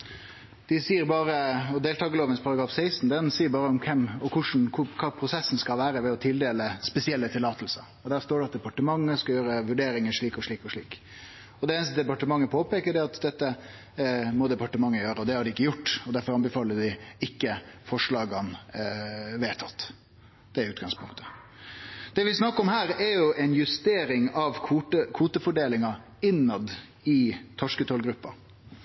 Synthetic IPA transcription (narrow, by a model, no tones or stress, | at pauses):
d̪̥ɪsiːəɾbɑːɾəɔd̪eːlt̪ʰɑːɡəloːʋənspʰɑɾɑɡɾɑːfsæɪst̪n̩d̪ɛnsiːəɾbɑːɾəɔmkʰɛmɔkʰʊʂn̩kʰʊkʰɑːpʰɾʊsɛsn̩skɑlʋæːɾəʋɛɔt̪ʰɪld̪eːləspɛsɪɛlːət̪ʰɪlːɑːt̪əl̩səɾɔd̪æːɾst̪oːɖɛɑt̪d̪ɛpɑʈəmɑŋːəskɑjøːɾəʋʉɖeːɾɪŋəʂɭiːkɔʂɭiːkɔʂɭiːk | ɔd̪ɛɛnst̪əd̪ɛpɑʈəmɑŋːəpʰoːpeːkəɾɖɛɑt̪d̪ɛt̪ːə | mɔd̪ɛpɑʈəmɑŋːəjøːɾəɔd̪ɛhɑɖɪɪkːəjʊʈːɔd̪æɾfɔɾɑnbəfɑːləɖɪɪkːəfɔʂɭɑːɡɑn | ʋeːt̪ʰɑt̪ː | d̪̥ɛæɾʉːt̪ɡɑŋspʰʊŋkt̪ʰə̥ | d̪̥ɛʋɪsnɑkːəɔmhæːɾɛɾjʊʔɛnjʉst̪eːɾɪŋɑʋkʰuːəkʰuːt̪əfɔɖeːlɪŋɑ | ɪnːɑd̪ | ɪt̪ʰɔʂkət̪ʰoːlɡɾʉpːɑ